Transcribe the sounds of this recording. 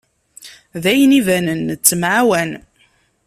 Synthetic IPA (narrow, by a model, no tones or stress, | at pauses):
ðæjənivænənːt͡sːəmʕawæn